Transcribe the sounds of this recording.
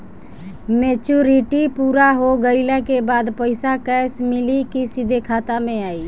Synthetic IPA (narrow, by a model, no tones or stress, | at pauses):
meːt͡ʃuːɾɪʈipuːɾaɦoɡəɪlakebaːd̪pəɪsakɛːsmɪlikisɪd̪ʱekʰaːt̪amẽaːiː